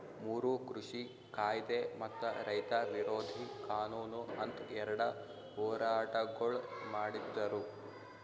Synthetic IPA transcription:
muːɾukɾuʂi | kaːjd̪emɐt̪ːɐɾɐjt̪ɐʋiɾoːd̪ʱikaːnuːnuɐnt̪ɛɾɐɽɐ | ɦɔːɾaːʈɐɡɐɭmaːɽid̪ːɐɾu

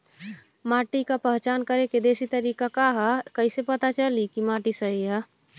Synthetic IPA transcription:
maːʈikapəɦt͡ʃaːnkəɾeked̪eːsit̪əɾiːkakaɦɛkəɪsepət̪at͡ʃəlikimaːʈisəɦiɦɛ

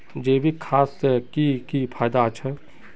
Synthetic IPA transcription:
d͡ʒeːbʱikʰaːskikipʰaːjd̪at͡ʃʰɛ

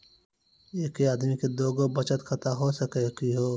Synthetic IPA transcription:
eːkeaːd̪miked̪oːɡobɐt͡ʃət̪kʰɐt̪aɦoːsɐkekiɦoː

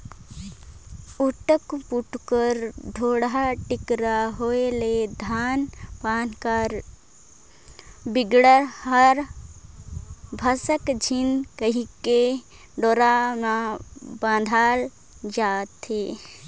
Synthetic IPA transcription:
uʈəkpuʈkəɾd̪ʱoːɽɦaʈɪkɾaɦoeled̪ʱaːnpaːnkaɾ | bɪɡɽəɾhəɾ | bʱəsəkd͡ʒʱinkəɦike | ɖoːɾamãbãːd̪ʱaːl | d͡ʒaːt̪eː

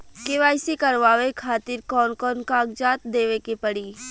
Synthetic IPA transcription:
keʋaːɪsikɐɾʋaːʋekʰaːt̪ɪɾkɔːnkɔːnkãːɡd͡ʒaːt̪d̪eːʋekepɐɽiː

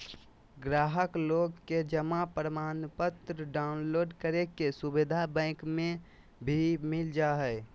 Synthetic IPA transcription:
ɡɾaːɦəkloːɡked͡ʒəmapɾəmaːnpət̪ɾəɖaʊnloːɖkəɾekesubed̪ʱabɛ̃ɪkmẽ | bʱimɪld͡ʒaɦɛɪ

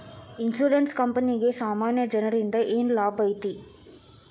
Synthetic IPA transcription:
insuːɾenskɐmpɐniɡesaːmaːnjɐd͡ʒɐnɐɾind̪ɐʔeːnlaːbɐjt̪i

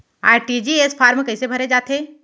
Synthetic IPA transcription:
a̰ːɾʈid͡ʒiespʰaːɾmkɐɪsebʱɐɾed͡ʒaːt̪ʰe

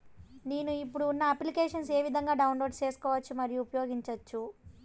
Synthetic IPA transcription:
neːnuipːuɽuːnːɐɐplikeːʂɐns̬e̞ːʋid̪ʱɐŋɡaːɖɐwnlo̞ːɖst͡ʃe̞ːsu̥kɔːʋɐt͡ʃːumɐɾijuupɐjo̞ːɡiɲt͡ʃɐt͡ʃːu

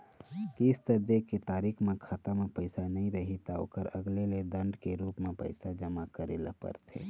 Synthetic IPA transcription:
kiɪst̪əd̪eket̪aːɾiːkʰmẽkʰɐt̪əmpəɪsanɐɦĩɾɐɦit̪ao̰ːkəɾəɡleled̪ə̃ɳɖkeɾuːpmẽpə̰ɪsad͡ʒəmakəɾḛːla̰pə̰ɾt̪ʰḛː

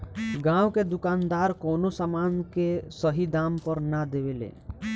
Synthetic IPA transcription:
ɡãːwked̪ʊkaːnd̪aːɾkoːnosamaːnkesəɦid̪aːmpəɾnad̪eʋelḛ

